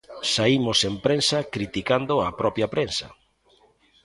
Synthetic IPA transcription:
saimʊsempɾensɐkɾit̪ikand̪ʊapɾɔpjɐpɾensɐ̰

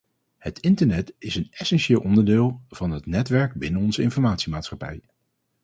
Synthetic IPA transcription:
hətɪntəɹnɛtɪsənɛsɛnʃɪːlˠʔɔndəɹdɪːlˠv̥ɑnɦətnɛtʋɛɹɡ̚bɪnənɔnzəɪnfɔɹmaːtsimaːtsχɑpɛ̰j

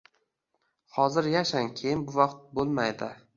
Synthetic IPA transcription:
hɒzɪɾjaʃaŋkʲʰejɪnbʊvɑqt̪̚bolˠmajd̪ɪ

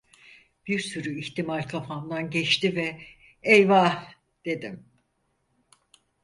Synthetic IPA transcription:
b̥iɾsyɾyiçt̪imalʲkʰafamd̪anɟɛt͡ʃt̪ivɛ | ɛjva | d̪̥e̞d̪im

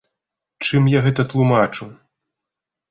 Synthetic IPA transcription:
t͡ʂɨmjaɣɛt̪ɐt̪lˠumat͡ʂu

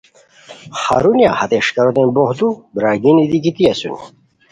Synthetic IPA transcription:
χɐ̰ɾunja̰hɐt̪eʂkɐɾot̪enbohd̪ubɾaːɡinid̪ikit̪iɐsṵni

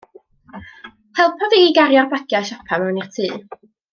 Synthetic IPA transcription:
hʰɛlˠpʰɔðiiɡaɾjarbaɡ̥jaʃapʰamɛwnir̥tʰiː

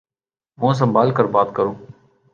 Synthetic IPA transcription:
mũːs̬ə̃mbaːlkəɾbaːt̪kəɾõː

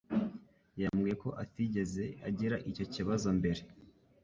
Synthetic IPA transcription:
jamɡije̞ko̞ʔatiɟe̞ze̞aɟiɾaʔico̞ciβazo̞mbe̞ɾe̞

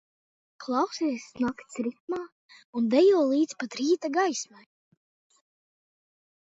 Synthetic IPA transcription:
klˠɑwsisːnakt̪sɾit̪̚maː | und̪ɛjuɔlˠiːt̪spat̪ɾiːt̪aɡajsmaj

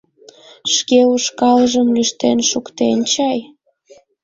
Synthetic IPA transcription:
ʃkeuʃkɑləʒəmlyʃt̪enʃukt̪ent͡ɕɑj

